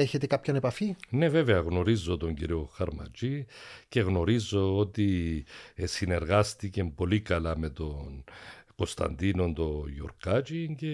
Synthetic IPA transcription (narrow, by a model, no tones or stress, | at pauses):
eçet̪e̞kapçɐnepɐfine̞ve̞veɐɣno̞ɾizːot̪o̞ɲɟḭɾio̞xɐɾmɐ̰d͡ʒice̞ɣno̞ɾizo̞ot̪i | sine̞ɾɣɐst̪ice̞mpo̞likɐlɐme̞t̪o̞nko̞st̪ɐ̰nd̪ino̞nt̪o̞jo̰ɾkat͡ʃiɲce